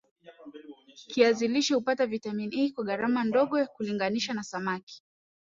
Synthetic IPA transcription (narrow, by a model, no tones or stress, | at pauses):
kiaziliʃihupatavitaminiːkwaɠaɾamandɔɠɔkuliŋɡaniʃanasamaki̥